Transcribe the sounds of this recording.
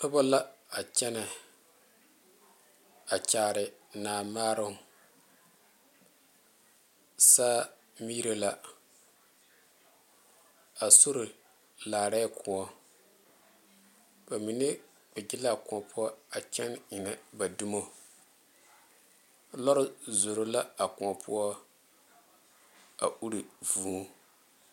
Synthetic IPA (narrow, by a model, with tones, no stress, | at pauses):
ʊ˦bɔ˦la˦a˨t͡ʃɛ˦na˨ | a˨t͡ʃaː˨ɾɪ˨naː˨maː˦ɾʊ˦˨ | saː˦ | mi˦ɾe˦la˨ | a˨su˦ɾʊ˨ | laː˨ɾɛ˦kʰʊ˨ɔ˦ | ba˨mi˨nɪ˦ | bɛ˨ɡɪ˦la˦˨kʊ˨ɔ˨pʊ˦ɔ˦a˨t͡ʃɛ˦nɪ˨na˨ba˨dʊ˦mo˦ | lɔ˦ɾʊ˦zo˨ɾo˦la˦a˨kʊ˨ɔ˨pʊ̰˦ɔ˦ | a̰˨ʔu˦ɾi˨vu˨˦